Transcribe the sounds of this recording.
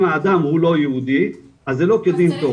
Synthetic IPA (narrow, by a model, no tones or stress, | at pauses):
maːd̪amhulo̞jehud̪i | azːelo̞ked̪int̪o